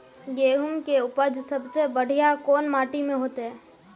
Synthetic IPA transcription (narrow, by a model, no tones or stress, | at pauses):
ɡeːɦʊmkeʊpəd͡ʒsəbsebəɽ̤ijakoːnmaːʈimẽɦoːt̪eɦɛ̃ː